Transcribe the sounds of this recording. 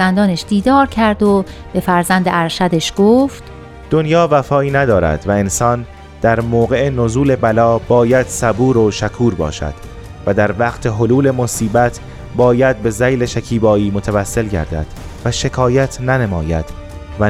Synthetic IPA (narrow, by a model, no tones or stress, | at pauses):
ænd̪ɒːneʃd̪̥iːd̪ɒːɾcʰæɾd̪o | b̥e̞fæɾzænd̪eæɾʃæd̪eʃɡ̥oːft̪ | d̪̥onjɒːvæfɒːiːnæd̪ɒːɾæ̰d̪væe̞nsɒːn | d̪̥æɾmoːɣe̞ʔenozuːle̞bælɒːbɒːjæd̪̥sæbuːɾoʃækʰuːɾbɒ̰ːʃæ̰d̪̥ | væd̪æɾvæqt̪ʰe̞ɦoluːle̞mosiːbæt̪ʰ | bɒːjæd̪̚be̞zæjle̞ʃæcʰiːbɒːiːmot̪ʰævæsːe̞lɟæ̰ɾd̪æ̰d̪̥ | væʃe̞kʰɒːjæt̪ʰnænemɒːjæ̰d̪̥ | væ